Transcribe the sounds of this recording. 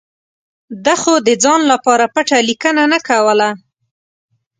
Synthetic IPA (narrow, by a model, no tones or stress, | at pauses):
d̪axod̪əd͡zɑnlapɑɾapaʈalikənanakawəla